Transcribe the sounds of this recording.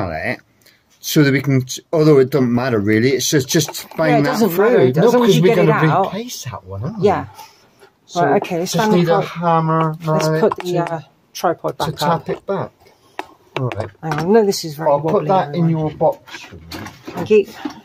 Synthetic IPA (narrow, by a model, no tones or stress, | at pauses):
lˠɪ̰ʔ | soðəʔwikə̃nɔlˠðoɪt̚d̥ʌz̃n̩maʔə˞ɹilˠiɪtsd̥ʒ̥ʌsd̥ʒ̥ʌsb̥aɪɪ̃ŋðəzə̃nənokʰʌzwiɛɡʌ̃nəaiʊpʔʰeɪsðə̰ʔwʌ̃njæ | ɹaɪʔoʊkʰeɪsãndɪəhamə˞nspʊʔðəʌ | tʰɹ̥aɪpʰɔd̚b̥əkapɪʔ̚b̥ak | ɔɹaɪt̚anoʊðɪsɪzvɛaɪwʰʊʔlðəʔɪ̃njəəbɔksəθæ̃ŋkjʉ